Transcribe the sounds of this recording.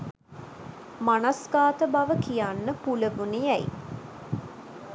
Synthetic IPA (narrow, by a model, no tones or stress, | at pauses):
manasɡaːt̪əbaʋəkijanːəpuləbunijæjḭ